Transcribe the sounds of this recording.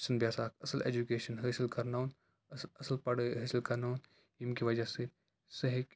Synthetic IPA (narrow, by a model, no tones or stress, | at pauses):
sɐnbjaːsaːkʰɐsəlḛːd͡ʒukeːʃənɦəːsilkɐɾnan | ɐsəlpɐɽɦɐːsilkɐɾnan | jimkiʋɐd͡ʒase | sɐɦik